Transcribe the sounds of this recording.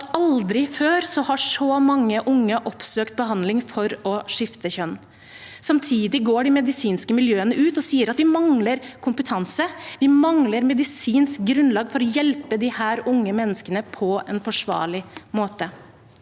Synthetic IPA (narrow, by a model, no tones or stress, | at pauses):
ɑld̪ɾɪføːɾsɔhɑʂɔmɑŋːəʔʊŋːəʔɔpsøːkt̪̚bəɦɑnd̪lɪŋfɔɾɔʂɪft̪əçœnː | sɑmt̪ʰiːd̪ɪɡoːɖɪmɛd̪ɪsiːnskəmɪljøːənəʔʉːt̪ɔsiːəɾɑt̪ʋɪmɑŋləɾkʰʊmpət̪ʰɑnsəʋɪmɑŋləɾmɛd̪ɪsiːnsk̚ɡɾʉnlɑːɡfɔɾɔjɛlpəd̪ɪhæːɾʊŋːəmɛnːəskənəpʰɔɛnfɔʂʋɑ̰ːɭɪmoːt̪ə